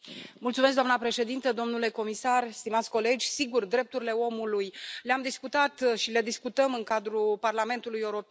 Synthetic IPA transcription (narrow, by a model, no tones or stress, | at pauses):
mult̪sumes̬kd̪oanəpɾe̞ʃe̞d̪int̪əd̪o̞mnule̞ko̞misarst̪imat̪sʲko̞le̞d͡ʒʲsiɡurd̪ɾe̞p̚t̪uɾile̞o̞mulujleamd̪iskut̪at̪ʃile̞d̪iskut̪əmɨŋkad̪ɾuparlame̞nt̪ulujeuɾo̞p